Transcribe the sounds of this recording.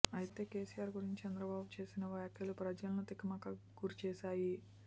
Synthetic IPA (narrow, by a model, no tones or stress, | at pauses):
ɐjit̪e̞ːke̞ːsijaːɾɡuɾiɲt͡ʃi̥t͡ʃɛnd̪ɾɐbaːbut͡ʃe̞ːsinɐʋjaːkʰjɐlupɾɐd͡ʒɐlɐnut̪ikːimaːkɐ | ɡuɾit͡ʃɛːʃaːji